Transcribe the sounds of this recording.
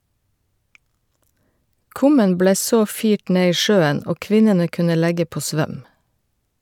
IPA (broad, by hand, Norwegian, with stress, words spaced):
ˈkʊmən ˈbleː ˈsoː ˈfiːʈ ˈneː ˈiː ˈʃøːən ˈoː ˈkʋɪnənə ˈkʉnə ˈlæɡə ˈpoː ˈsʋœm